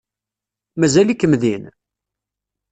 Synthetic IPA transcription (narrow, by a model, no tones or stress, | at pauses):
mæzælikːəmðin